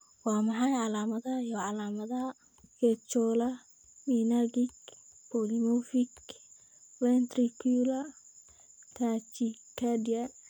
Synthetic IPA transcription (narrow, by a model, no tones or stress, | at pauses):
wɑːmɑħɑjʕɑlaːmɐðɐhɐjɔʕɑlaːmɐðɐɦɐ | kɛt͡ʃɔːlɐ | minaɡɪkpɔlimɔfɪk | wɛnt̪rikʰulɐ | t̪ʰaːt͡ʃikʰɐdiɐ